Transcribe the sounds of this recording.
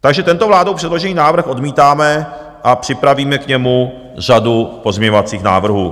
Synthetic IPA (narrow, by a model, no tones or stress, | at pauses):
t̪aɡʒɛt̪ɛnt̪ovlaːdowpr̥ɛdlo̞ʒɛniːnaːvr̩xʔo̞dmiːt̪aːmɛ | ʔapr̝̥ɪpɾaviːmɛkɲɛmu | r̝adupo̞zmɲɛɲovat͡siːxna̰ːvr̩ɦṵː